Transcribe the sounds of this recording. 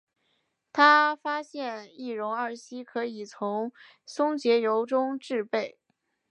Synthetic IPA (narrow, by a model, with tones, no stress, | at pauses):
t̪ʰa˥fa˥ɕjɛ˥˧ni˥˩ɻʊ˧˥ŋə˞˥˧˩ɕi˥kʰɤ˧˥i˨˩t͡sʰʊ˧˥ŋ | sʊ˥ŋt͡ɕjɛ˧˥jo˧˥ʊʈ͡ʂʊ˥ŋʈ͡ʂɻ̩˥˧pe˥˩ɪ